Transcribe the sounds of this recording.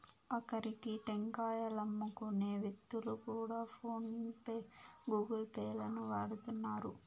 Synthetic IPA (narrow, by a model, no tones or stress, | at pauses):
ɐkɐɾikiʈeŋkaːjɐlɐmːukuneːʋet̪ːulukuːɽaːpʰoːnpːɡuːɡɐlpɛːjlɐnuʋaːɽut̪unːaːɾu